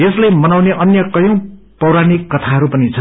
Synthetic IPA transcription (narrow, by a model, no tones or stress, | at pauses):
eslajmʌnawneʔʌnjʌkʌjõ | pʌwɾanikːʌt̪ʰaɦʌɾupʌnit͡sʰʌ